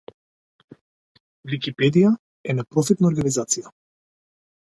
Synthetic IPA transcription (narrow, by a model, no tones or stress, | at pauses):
vikipɛd̪ija | ɛnɛpɾɔfɛt̪naɔɾɡanizat̪sija